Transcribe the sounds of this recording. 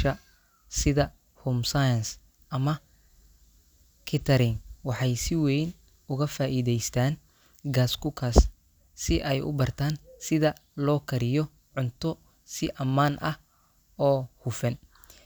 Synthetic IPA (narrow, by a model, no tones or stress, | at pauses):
ʃɐ | sɪðɐ | huːmsajɐns | ʔɐmɐ | kʰɪt̪ʰɐɾɪŋwɑħɑjsɪwɛjn | ʊɣɐfaːʔiːðɛjst̪ʰaːn | ɡaːskʰʊkʰas | sɪʔɛjʊ̰bɐrt̪ʰaːnsɪðɐ | lɔːkʰɐɾɪjɔ | ʕʊnt̪ʰɔ | sɪʔɐmaːnʔɐh | ɔːhʊfɛn